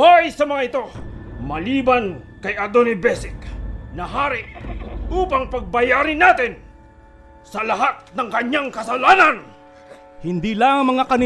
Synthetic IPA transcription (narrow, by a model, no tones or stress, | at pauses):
hojsɐmɐŋaɪt̪o̞mɐliːbankɐjɐd̪onɪbɛsɪknɐɦaːɾɪʔʔuːpaŋpɐɡ̚bɐjaːɾɪnat̪ɪn | sɐlɐɦat̪̚nɐŋkɐɲaŋkɐsɐlaːnan | hɪnd̪ilaŋmɐŋakɐnɪ